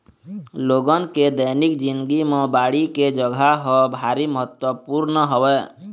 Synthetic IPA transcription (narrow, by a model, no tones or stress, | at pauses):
loɡənked̪əjnikd͡ʒɪ̃nd̪ɡimẽbaːɽiked͡ʒəɡʱaɦɔbʱaɾiməɦət̪wəpuɾnəɦowɛ